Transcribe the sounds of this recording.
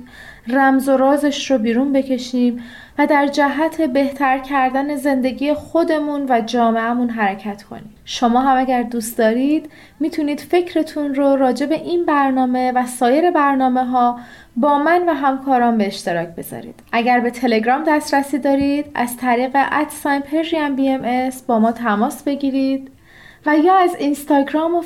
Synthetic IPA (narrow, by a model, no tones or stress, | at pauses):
ræmzo̞ɾɒːzeʃɾobiːɾunbe̞cʰe̞ʃiːm | væd̪æɾd͡ʒæɦæt̪ʰe̞be̞ht̪ʰæɾcʰæɾd̪æne̞ze̞nd̪e̞ɟiːjexo̞d̪e̞munvæd͡ʒɒːme̞æmunɦæɾecʰæt̪kʰo̞̰niːd̪ʃo̞mɒːɦæmæɟæɾd̪uːst̪d̪ɒːɾiːd̪̥ | miːt̪ʰuniːd̪̥fe̞cʰɾe̞t̪ʰunroɾɒːd͡ʒe̞be̞ʔinbæɾnɒːme̞væsɒːje̞ɾe̞bæɾnɒːme̞ɦɒː | bɒːmænvæɦæmkʰɒːɾɒːmbe̞ːʃt̪e̞ɾɒːcʰb̥e̞zɒ̰ːɾḭːd̪̥ʔæɟæɾbe̞t̪ʰe̞le̞ɡɾɒːmd̪æst̪ɾæsiːd̪ɒːɾid̪æ̰zt̪ʰæɾiːɣe̞ʔæt̪sɒjnpʰeɾʒiæmbiemesbɒːmɒːt̪ʰæmɒːsbe̞ɟiːɾiːd̪̚ | væjɒːæzinst̪ɒːɡɾɒːmo